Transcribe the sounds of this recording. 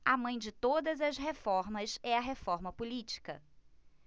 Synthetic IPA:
ɐmɐ̃j̃d͡ʒɪt̪od̪ɐzɐzɦefɔɾmɐsɛɐɦefɔɾmɐpulit͡ʃi̥kɐ

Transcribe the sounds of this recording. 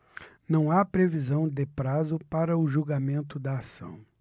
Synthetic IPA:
nɐ̃w̃apɾevizɐ̃w̃d̪ɪpɾazʊpaɾɐʊʒuɡamẽnt̪ʊd̪ɐːsɐ̰̃w̃

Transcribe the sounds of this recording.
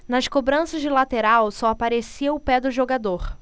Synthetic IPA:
nɐʃkobɾɐ̃sɐd͡ʒɪlat̪eɾawsɔapaɾesiɐʊpɛd̪ʊʒoɡad̪oɾ

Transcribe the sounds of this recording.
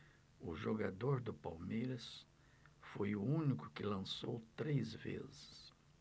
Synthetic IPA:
ʊʒoɡad̪oɾd̪ʊpawmejɾɐs | fojʊũnikʊ̥kɪlɐ̃sowt̪ɾezvḛzɪs

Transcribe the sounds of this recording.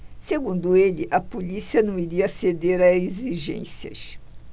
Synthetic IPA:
seɡũnd̪ʊelɪʔɐpolisiɐnɐ̃w̃iɾiɐsed̪eɾɐeziʒḛ̃siɐ̰ʃ

